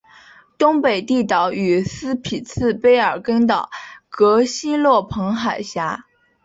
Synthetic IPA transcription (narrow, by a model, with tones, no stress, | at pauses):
t̪ʊ˥ŋpe˨˩ɪt̪i˥˩t̪ɑ˧˥ʊy˨˩sɹ̩˥pʰi˨˩t͡sʰɹ̩˥˩˧pe˥ɪə˞˨˩kə˥nt̪ɑ˨˩ʊkɤ˧˥ɕi˥nlwɔ˥˩pʰɤ˧˥ŋxa˨˩ɪɕja˧˥